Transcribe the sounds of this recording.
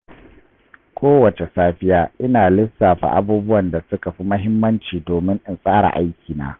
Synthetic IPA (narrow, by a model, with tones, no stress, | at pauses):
kʷʰoː˦wɐ˨t͡ʃe˨saː˦ɸɪ˦jaː˦ʔɪ˦naː˨lɪ˦saː˨ɸa̰˨ʔa̰˦buː˦bʊ˦wɐ˨nda˨sʊ˦ka˨ɸi˦mɐ˦ɦɪ˦mːɐ˦nt͡ʃiː˨doː˨mɪ˦ŋʔɪ˦nsʼaː˦ɽa̰˨ʔa˦jkʲiː˨na̰ː˦